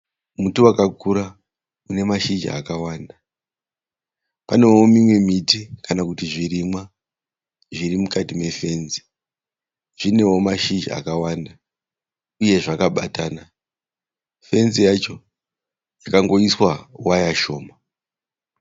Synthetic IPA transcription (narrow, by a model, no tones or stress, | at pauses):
mutuwakakuɾa | une̞maʃid͡ʒ̰a̰kawaːnda | pane̞wo̞mimwe̞mitikanakutiʐiɾimwa | ʐiɾimukatime̞fe̞nzi̥ | ʐ̥ine̞wo̞maʃid͡ʒa̰kawanda | uje̞ʐakaɓataːna | fe̞nzijat͡ʃo̞ | jakaŋɡo̞iswawajaʃo̞ːma